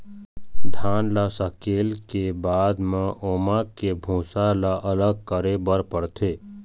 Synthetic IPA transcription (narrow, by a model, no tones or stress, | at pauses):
d̪ʱaːnlasəkeːlkebaːd̪mẽʔoːmakebʱũːsalaʔələɡ̚kəɾebəɾpəɽt̪ʰeː